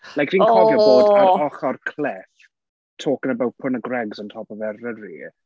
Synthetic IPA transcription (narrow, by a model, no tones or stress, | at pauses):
lajkr̥iːnkɔjɔboːdaɾɔχɔrkʰlɛθ | tʰoːkənəbawt̚pʰʊnəɡrɛɡzəntʰɔːpɔvɛrərḭ